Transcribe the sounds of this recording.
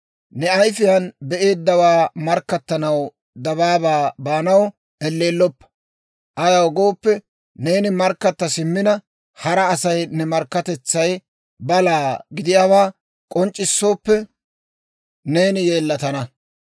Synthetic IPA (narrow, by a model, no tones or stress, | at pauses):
nɛɐjfɪjɐnbɛʔe̞ːd̪ːɐwaːmɐɾkːɐt̪ːɐnɐw | d̪ɐβaːbaːbaːnɐw | ɛlːe̞ːlːɔpːɐ̥ | ʔɐjɐwɡoːpːɛ | ne̞ːnɪmɐɾkːɐt̪ːɐsɪmːɪnɐ | hɐɾɐːsɐjnɛmɐɾkːɐt̪ɛt͡sːɐj | bɐlaːɡɪd̪ɪjaːβaː | kʼɔnt͡ʃʼːɪsːo̞ːpːɛ | ne̞ːnɪje̞ːlːɐt̪ɐnɐ